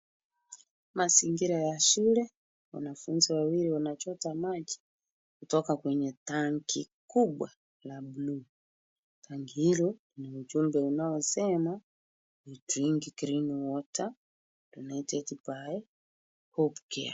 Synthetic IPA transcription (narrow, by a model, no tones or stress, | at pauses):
maziŋɡiɾajaʃulɛ | wa̰nafunziwawiɾiwanat͡ʃɔtamad͡ʒi̥ | kutɔkakwɛɲɛtaŋɡikuɓwa | labulu | taŋɡihilɔlinaud͡ʒumbɛunaɔsɛma | lituɾiŋɡikiɾiniwɔta | lunaitɛtipaɛ | hɔpukɛ̰a̰